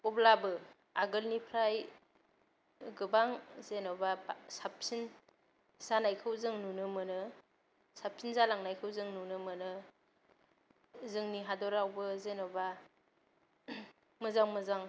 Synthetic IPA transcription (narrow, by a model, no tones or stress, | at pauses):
ublabɯ | aɡɯlnipʰɾaj | ɡɯbaŋzenɔbabsap̚sin | zanajkʰɯwzɯŋnunɯmɯnɯ | sap̚sʰinzalaŋnajkʰɯwzɯŋnunɯmɯnɯ | zɯŋniɦadɔɾawbɯzenɔba | mɯzaŋmɯzaŋ